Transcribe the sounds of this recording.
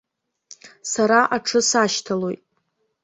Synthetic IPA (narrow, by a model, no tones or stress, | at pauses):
saɾaʔaʈ͡ʂʰɨsaʃtʰalo̞jtʼ